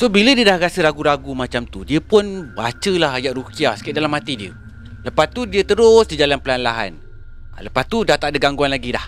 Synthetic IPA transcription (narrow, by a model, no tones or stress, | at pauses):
sobilədiədahɾasəɾaɡuɾaɡumat͡ʃamt̪udiəpʊnba̰t͡ʃəlaɦajaʔɾukiasə̥kiaʔ̚dalamat̪idiə̰ | ləpast̪udiət̪əɾʊsdid͡ʒalanpəlanlaɦa̰n | ləpast̪udaht̪aʔdəɡaŋɡuanlaɡidah